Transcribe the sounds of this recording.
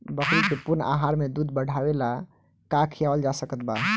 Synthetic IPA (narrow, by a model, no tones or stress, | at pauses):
bəkɾikepuna̰ɦaɾmed̪ud̪bəɽ̤ʱabela | kakʰijabəld͡ʒasəkət̪̚ba